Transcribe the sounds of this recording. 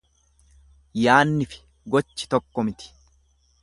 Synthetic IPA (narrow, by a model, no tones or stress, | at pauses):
jaːnːɪfɪ̥ | ɡɔt͡ʃːɪ̥t̪ɔkːɔmɪt̪ɪ̥